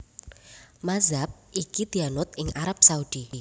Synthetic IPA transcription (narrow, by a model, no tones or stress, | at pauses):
mazap̚ikid̪̥ianʊt̪̚ɪŋʔaɾap̚saud̪̥i